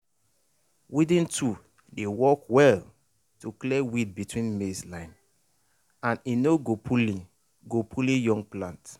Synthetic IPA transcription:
widĩntʰu | dewɔkwɛl | tuklɛwid̚bitʰwĩnmeslãɪ̃n | ãninoɡopʰulĩ | ɡopʰulĩjɔ̃ŋɡ̚plãnt

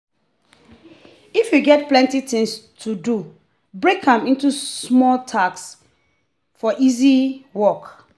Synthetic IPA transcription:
ifjuɡɛt̚plɛ̃ntitɪ̃ŋstʰudu | bɹekʰãmĩntusmɔltʰaks | fɔʔiziwɔk

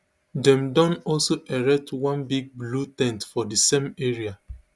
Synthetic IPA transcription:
dɛ̃mdɔ̃nɔlsoʔɛɹɛp̚twãnbiɡ̚blutɛ̃ntfɔdisẽmeɹia

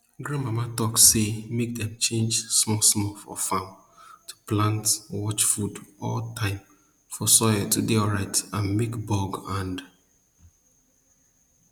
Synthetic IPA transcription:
ɡɹãnmamatɔksemek̚dɛ̃mt͡ʃʰẽnd͡ʒsmɔlsmɔfɔ̰fãm | tʰu̥plãntwɔt͡ʃfudʔɔ̰ltʰãɪ̃m | fɔsɔɪətʰudeɔɹaɪtãnmekbɔɡãnd

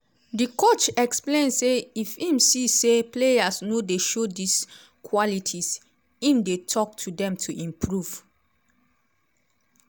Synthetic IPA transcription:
dikot͡ʃɛksplẽnseifĩmsiseplejasnodeʃodis | kʰwɔlitʰis | ĩmdetʰɔk̚tʰudɛ̃mtʰuʔĩmpʰɹuv̥

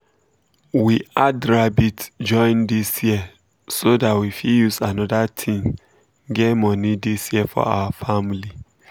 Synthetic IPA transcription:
wiadɹabitd͡ʒɔ̃ɪ̃ndisjiə | sodatwifijusanɔdatʰĩm | ɡɛmɔnidisjiəfɔ̰a̰wafamili

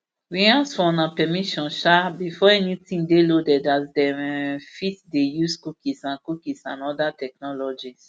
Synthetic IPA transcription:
wĩãsfɔnãpɛmiʃɔ̃nʃabifɔɛnitĩŋdelodɛdatdɛɛ̃fitdejuskukisãnkukisã̰nɔdatɛk̚nɔlɔd͡ʒis

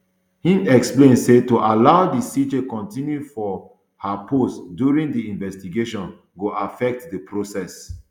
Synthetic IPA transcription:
hĩndɛksplẽnsetuʔalaʊdisid͡ʒekɔ̃ntĩnjufɔ | hapʰostdjuɹĩŋdiĩnvɛstiɡeʃɔ̃n | ɡoʔafɛk̚tdəpɹosɛs

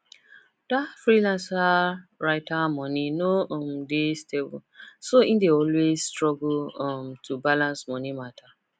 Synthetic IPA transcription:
d̥afɹilãnsaɹaɪtamɔninoɔmdesteb̰soĩndeɔlwezstɹɔɡlmtʰubalãnsmɔnimatʰa

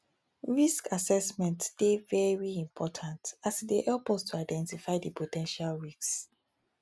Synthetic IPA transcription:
ɹiskasɛsmɛ̃ntsdevɛɹiĩmpʰɔtʰãntasdeʔɛlpɔstʰuaɪdɛ̃ntifaɪdipʰotʰɛ̃nʃalɹiks

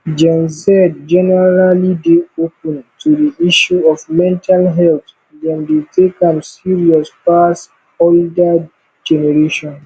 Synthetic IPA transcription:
d͡ʒɛ̃nsɛd̚d͡ʒɛnɛɹalideopɛ̃ntʰudiiʃuɔfmɛ̃ntʰalɦɛlt̪ | dɛ̃ndetʰekãmsiɹiɔspas | olda | d͡ʒɛnɛɾeʃɔ̃n

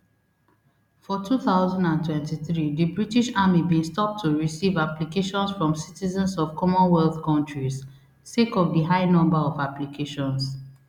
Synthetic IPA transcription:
fɔtʰuθaʊzãndãntʰwɛ̃ntiθɹidəbɹitiʃamibĩnstɔp̚tʰuɹisivaplikeʃɔ̃nsfɹɔ̃msitizə̃nsɔv̥kʰɔmɔ̃nwɛlθkɔ̃ntɹiz | sekɔvdəɦaɪnɔ̃mbaɔvaplikʰeʃɔ̃ns

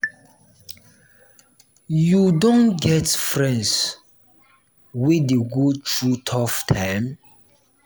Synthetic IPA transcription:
judɔ̃nɡɛtfɹɛ̃ns | widiɡud̚t͡ʃutʰɔftʰãm

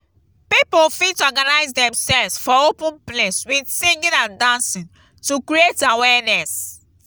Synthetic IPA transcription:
pipofitɔɡanaɪzdɛ̃msɛlvsfɔopũnpleswidsĩŋɡĩnãndãnsĩn | tukɹietawɛnɛs

